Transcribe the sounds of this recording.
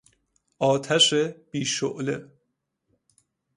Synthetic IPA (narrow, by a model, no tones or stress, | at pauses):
ʔɒːt̪ʰæʃeb̥iːʃoʔle